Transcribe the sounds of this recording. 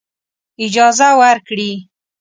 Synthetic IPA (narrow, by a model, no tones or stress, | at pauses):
ɪd͡ʒɑzawaɾkɽi